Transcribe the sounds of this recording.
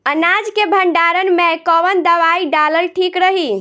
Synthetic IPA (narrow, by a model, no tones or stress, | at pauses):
ənad͡ʒkebʱəɳɖaɾənmekɔʋənd̪əʋaiɖaləlʈʰikɾəɦi